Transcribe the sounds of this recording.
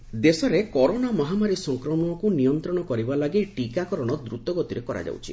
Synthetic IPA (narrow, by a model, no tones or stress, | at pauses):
d̪esɔɾekɔɾonamɔɦamaɾisɔŋkɾɔmɔɽ̃ɔkunijɔnt̪ɾɔɽ̃ɔkɔɾibalaɡiʈikakɔɾɔɽ̃ɔd̪ɾut̪ɔɡɔt̪iɾekɔɾa̰d͡ʒa̰wt͡ʃʰi